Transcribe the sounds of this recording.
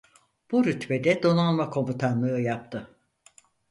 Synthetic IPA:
b̥uɾyt̪ved̪ɛd̪o̞nalˠmakʰo̞mut̪ʰanlˠɯɯjap̚t̪ʰɯ

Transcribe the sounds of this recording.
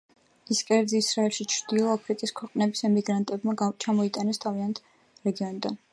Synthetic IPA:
iskʼɛɾd̪ziːsɾaɛlʃit͡ʃʰɾd̪̥ilˠɔapʰɾikʼiskʰwɛqʼnɛbisɛmiɡɾant̪ʼɛbmaɡt͡ʃʰamɔit̪ʼanɛst̪ʰaviant̪ʰ | ɾɛɡiɔnid̪an

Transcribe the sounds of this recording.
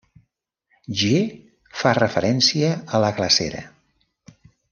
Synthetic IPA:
ʒe | farəfəɾɛnsiəələkləsḛɾə̰

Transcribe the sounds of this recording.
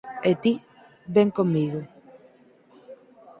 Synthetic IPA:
et̪i | beŋkomiɣo

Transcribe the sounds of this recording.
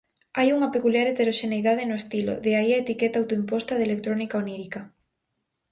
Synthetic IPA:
ajuŋapekuljaɾet̪eɾoʃenejðaðenoest̪ilo̰ðeaiaet̪iket̪awt̪oimpost̪aðelek̚t̪ɾonikaoniɾika

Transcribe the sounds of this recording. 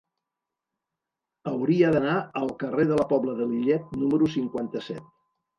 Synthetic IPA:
əwɾiəðənaəlˠkəreðələpɔβləðəliʎɛt̪̚numəɾusiŋkwant̪əsɛ̰t̪̚

